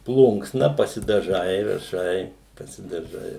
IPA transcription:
ˈplˠʊŋksnɐ pɐsʲɪdɐˈʒɐɪ rɐˈʃɐɪ pɐsʲɪdɐˈʒɐɪ

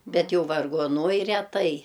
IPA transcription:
ˈbʲɛt ˈjɛʊ ʋɐrɡoːˈnuɔj rʲɛˈtɐɪ

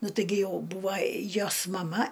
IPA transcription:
ˈnʊ ˈtɨɡʲɪ ˈjɛʊ ˈbuːʋɐ ˈjoːs mɐˈmɐ

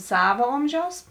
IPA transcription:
ˈsɑːʋoː ˈoːmʲʒʲɛʊs

